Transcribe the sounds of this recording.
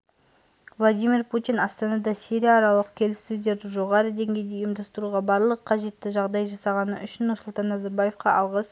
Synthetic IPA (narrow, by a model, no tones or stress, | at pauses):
vlˠad̪ijmʲirpʰut̪ijnɑst̪ɑnɑd̪ɑsiɾijaːɾɑlˠəqkʲʰe̞lɪsːɵzd̪e̞ɾd̪ɪʒo̞ʁɑɾəd̪e̞ŋɡʲe̞jd̪eʊjəmd̪ɑst̪əɾuʁɑbɑɾlˠəqʰːɑʒe̞t̪ːɪʒɑʁd̪ɑjʒɑsɑʁɑnəʔʏʃɪnːʊɾsʊlˠt̪ɑnːɑzɑɾbaje̞fqɑʔɑlˠʁəs